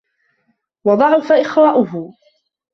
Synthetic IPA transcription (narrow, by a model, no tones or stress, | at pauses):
wɑd̪ˤɑʕʊfaʔɪxwaːʔʊɦʊ